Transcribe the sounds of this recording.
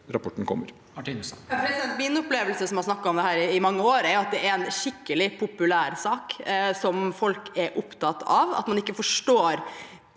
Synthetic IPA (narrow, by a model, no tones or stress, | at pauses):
ɾɑpʰɔʈːnkʰɔ̰mːə̰ɾ | ʈ̪ːfɔɾɛnt̪mɪnʊpleːʋəlsəsɔmhɑɾsnɑkːɑɔmd̪ɛhæːɾɪːmɑŋːəoːɾɛɾjʊɑt̪̚d̪ɛæɾɛnʃɪkːəlɪpʰʊpʉlæːɾsɑːksɔmfɔlkɛɾʔʊpt̪ʰɑt̪ɑʋɑ̰t̪mɑnɪkːəfɔʂʈoːɾ